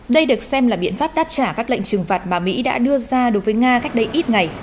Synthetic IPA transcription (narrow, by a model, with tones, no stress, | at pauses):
ɗə˧jɗɨ˨˩ək̚sɛ˧mlaː˨˩ɓḭ˧˨ənfaː˦˥p̚ɗaː˦˥p̚t͡ɕaː˧˩kaː˦˥k̚lḛ˧˨ŋt͡ɕɨ˨˩ŋfaː˨˩t̚maː˨˩mḭ˧˥ɗa̰ː˧˥ɗɨ˧əzaː˧ɗo˨˦jvəː˨˦jŋaː˧ka˦˥jk̟̚ɗə˧jʔi˦˥t̚ŋa˨˩j